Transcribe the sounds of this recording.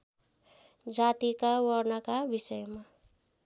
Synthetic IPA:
d͡zat̪ikawʌrnʌkabisʌjma

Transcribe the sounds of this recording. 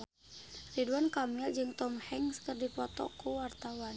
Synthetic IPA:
riduankamild͡ʒɨŋt̪ɔmhɛŋskərdipɔt̪ɔ̰kuwart̪awan

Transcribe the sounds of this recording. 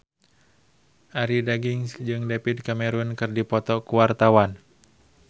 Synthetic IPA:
ʔaɾidaɡiŋsd͡ʒɨŋdɛpid̪̚kamɛɾunkɨrdipɔt̪ɔkuwart̪awan

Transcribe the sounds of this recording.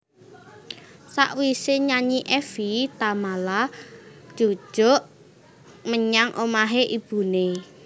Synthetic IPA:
sa̰ʔwiseɲaɲiʔɛfit̪amalad̥ʒ̥o̤̥ʒ̥o̤ʔ | məɲaŋʔomaɦeʔib̥ṳne

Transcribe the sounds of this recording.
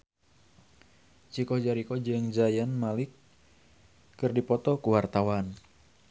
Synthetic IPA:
t͡ʃikɔhd͡ʒaɾikɔd͡ʒɨŋd͡ʒajanmalɪk | ɨrdipɔt̪ɔkuwart̪awan

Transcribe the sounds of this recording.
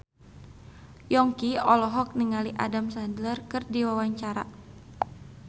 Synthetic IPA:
jɔŋkiɔlɔɦɔk̚niŋaliʔa̰damsandlərkɨrdiwawaɲt͡ʃaɾa

